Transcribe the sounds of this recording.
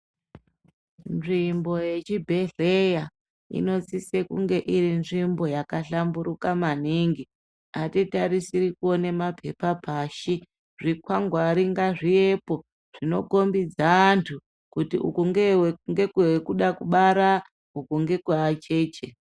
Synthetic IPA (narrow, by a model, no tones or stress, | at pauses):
nʐimbo̞je̞t͡ʃibʱe̞ɮeja | ḭno̞t͡sisekuŋɡe̞ʔiɾinʐimbo̞jakaɬambuɾukamaniŋɡi | atitaɾisirikuone̞mapʰe̞papaʃi | ʐikwaŋɡwaɾiŋɡaʐiepo̞ | ʐ̥ino̞̰ko̞mbid͡zaːntʰu | kutiṵkuŋɡewŋɡe̞kwekuɗakuɓaɾa | ukuŋɡe̞kwaat͡ʃe̞ːt͡ʃe